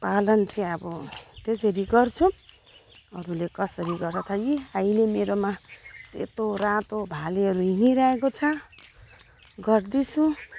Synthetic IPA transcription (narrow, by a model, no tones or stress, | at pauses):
palʌnt͡sʰiʌbʌt̪esʌɾiɡʌrt͡sʰu | ʌɾulekʌsʌɾiɡʌɾʌt̪ʰaɡiajlemeɾomasḛt̪orãt̪obʱaleɦʌɾuɦiniɾʌekot͡sʰʌ | ɡʌrd̪it͡sʰu